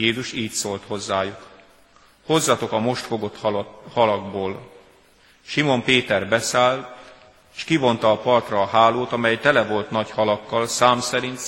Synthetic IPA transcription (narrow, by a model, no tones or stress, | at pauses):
eːzuʃiːcsolt̪ho̞zːaːjuk | ho̞zːɒt̪o̞kɒmo̞ʃt̪fo̞ɡot̪hɒlɒɡboːl | ʃimo̞mpeːt̪ɛrbɛsaːlt̪ | eːʃkivo̞nt̪ɒːpɒrt̪rɒːɦaːloːt̪ɒmɛjt̪ɛlɛvo̞lt̪nɒɟhɒlɒkːɒlsaːmsɛɾint̪